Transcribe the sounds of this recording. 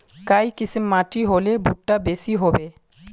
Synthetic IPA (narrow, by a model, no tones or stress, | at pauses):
kajkisʰimmaʈiɦolebʱuʈːabesiɦɔbe